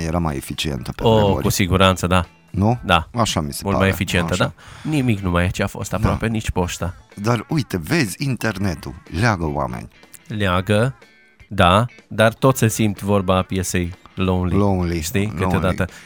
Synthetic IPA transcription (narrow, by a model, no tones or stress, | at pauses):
jeɾama̰jefit͡ʃiḛnt̪ə̥peo̰kusiɡuɾant̪səd̪a | nud̪amaʃamise̥mult̪majefit͡ʃienəd̪animiknumajat͡ʃeaːfo̞̰st̪apɾoape̞nit͡ʃʲpo̞ʃt̪ad̪arujt̪evedzʲint̪ernet̪ṵlaɡəw̰a̰mḛnʲ | lʲaɡə | d̪ad̪art̪o̞t̪sʲəsimt̪vo̞rbaːpjesejlonlilonliʃt̪ikɨt̪ed̪aə